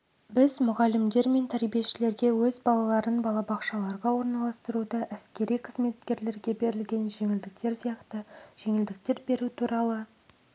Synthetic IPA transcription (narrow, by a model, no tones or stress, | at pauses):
bɪzmʊʁɑlɪmd̪e̞ɾme̞nt̪ʰæɾbije̞ʃɪle̞ɾɡʲe̞wɵzbɑlˠɑlˠɑɾənbɑlˠɑbɑqʃɑlˠɑɾʁɑwo̞ɾnɑlˠɑst̪əɾud̪əʔæskʲe̞ɾijqʰəzme̞t̪kʲe̞ɾle̞ɾɡʲe̞be̞ɾɪlɡʲe̞nʒe̞ŋɪld̪ɪk̚t̪e̞ɾsijɑqt̪əʒ̥e̞ŋɪld̪ɪk̚t̪e̞ɾbe̞ɾut̪ʰuɾɑlˠə